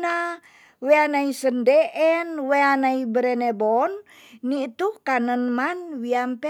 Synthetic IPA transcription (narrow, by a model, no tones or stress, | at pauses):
na | weanaisəndɛʔɛnweanaibəɾɛnɛbɔnː | it̪ukanənmanwiampɛ